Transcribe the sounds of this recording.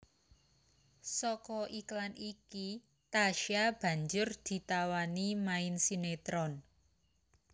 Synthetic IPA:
sɔkɔʔiklanʔiki | t̪aʃab̥ä̤ɲd͡ʒʊrd̪̥i̤t̪awanimaɪnsinet̪ɾɔn

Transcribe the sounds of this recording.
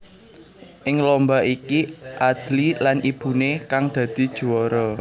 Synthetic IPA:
ʔɪŋlɔmbaʔikiʔad̪̥lilanʔib̥ṳnekaŋd̪̥ä̤d̪̥i̤d̥ʒ̥uɔɾɔ

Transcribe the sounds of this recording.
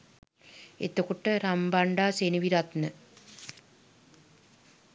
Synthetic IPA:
ḛt̪əkuʈəɾambaɳɖaːseniʋiɾat̪nə

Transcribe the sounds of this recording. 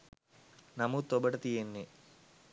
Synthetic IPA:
nɐmut̪obɐʈɐt̪ijenːe

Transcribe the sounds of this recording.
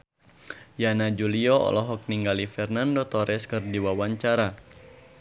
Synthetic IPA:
janad͡ʒuliɔɔ̰lɔɦɔk̚niŋɡalifɛrnandot̪ɔɾɛskɨrdiwawaɲt͡ʃaɾa

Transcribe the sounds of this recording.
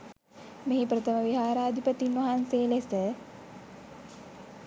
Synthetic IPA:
meɦipɾət̪əməʋiɦaːɾaːd̪ʱipət̪inʋɐɦanseːlesə

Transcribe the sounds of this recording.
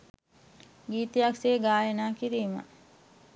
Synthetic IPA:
ɡiːt̪ijakseːɡaːjenaːkiɾiːmə̰

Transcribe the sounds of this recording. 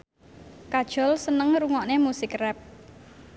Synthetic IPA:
kad̥ʒ̥ɔ̤lsənəŋruŋɔʔnemusɪkrɛp̚

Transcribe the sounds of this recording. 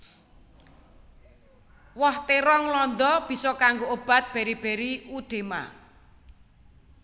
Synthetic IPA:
wɔht̪eɾɔŋlɔnd̪ɔb̥i̤sɔkaŋɡoʔob̥a̤t̪̚b̥e̤ɾib̥e̤ɾiud̪̥e̤ma̰

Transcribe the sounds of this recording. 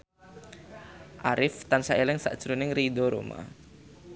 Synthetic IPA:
ʔaɾʔɪft̪ansaʔelɪŋsa̰ʔd̥ʒ̥ɾunɪŋridɔɾo̰ma̰

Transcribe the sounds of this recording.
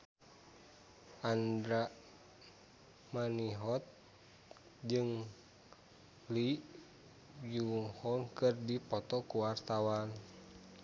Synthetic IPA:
ʔandɾaʔ | maniɦɔt̪̚ | d͡ʒɨŋ | li | juŋhɔŋkɨrdipɔt̪ɔkuwart̪awan

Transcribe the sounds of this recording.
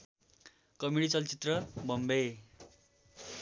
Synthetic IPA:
kʌmiɽit͡sʌlt͡sit̪rʌbʱʌmbe

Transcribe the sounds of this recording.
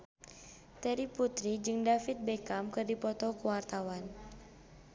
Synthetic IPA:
t̪ɛɾiput̪ɾid͡ʒɨŋdafit̪̚bɛkamkɨrdipɔt̪ɔkuwart̪awan

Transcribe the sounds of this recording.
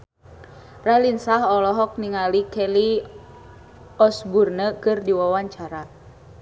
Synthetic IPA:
ralinsaɦɔlɔɦɔk̚niŋalikɛli | ɔsburnəkɨrdiwawaɲt͡ʃaɾa

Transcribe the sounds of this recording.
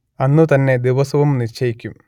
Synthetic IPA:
ɐnːut̪ɐnːe̞d̪iʋɐsɐʋumnit͡ɕʰːɐjikʲːum

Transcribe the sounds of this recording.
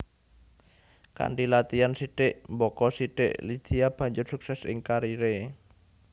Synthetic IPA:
ka̰ɳɖilat̪iansiɖ̥ɪʔmbɔkɔsiɖ̥ɪ̰ʔli̥d͡ʒ̥iab̥ä̤ɲd͡ʒʊrsuksɛsɪ̰ŋkaɾiɾe

